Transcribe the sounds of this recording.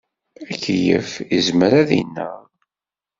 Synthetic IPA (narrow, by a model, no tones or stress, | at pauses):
ækːjə̰fəzməɾæðḭnːə̰